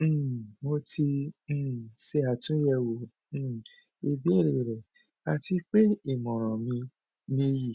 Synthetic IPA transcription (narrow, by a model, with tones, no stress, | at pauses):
mo˧tĩ˧˦˨ | se˧a˨tũ˨˦jɛ˦˧˨wõ˨˦˨ | i˨bi˨˦i˦˨ɾe˨ɾɛ˨ | a˧ti˧k͡pe˦i˦˨mɔ̃˨ɾ̃ɔ̃˨mĩ˧ | nĩ˧˦ji˨